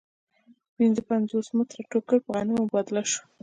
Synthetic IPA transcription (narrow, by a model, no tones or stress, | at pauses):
pinzəpanzosmɪt̪ɾaʈokəpəɣɑnəjmbɑd̪ɪlaʃu̥